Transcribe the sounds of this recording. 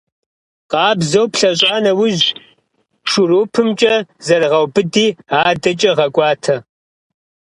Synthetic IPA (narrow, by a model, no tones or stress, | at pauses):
qɑːbzɐwpʰɬɐɕ̬ʼaːnɐwʊʑ | ʂʊɾoːpʰɨmt͡ʃʼɐzɐrʁɐwbɨdiːaːdɐt͡ʃʼɐʁɐkʷʼɑːtʰɐ